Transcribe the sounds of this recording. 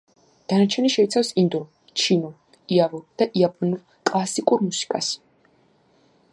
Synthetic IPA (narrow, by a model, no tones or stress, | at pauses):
d̪̥anat͡ʃʰɛniʃɛit̪sʰafsind̪ɔ | t͡ʃʰinɔ | iavuɾd̪̥aʔiapʼɔnuɾ | kʼlˠasikʼuɾmusi̥kʼas